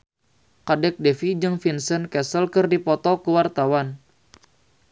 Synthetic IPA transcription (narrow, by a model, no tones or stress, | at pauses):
kadɛk̚dɛfid͡ʒɨŋfinsənkɛsəlkɨrdipɔt̪ɔkəwart̪awan